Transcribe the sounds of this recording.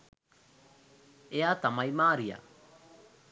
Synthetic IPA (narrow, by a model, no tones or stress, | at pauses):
eat̪amajmaːɾija̰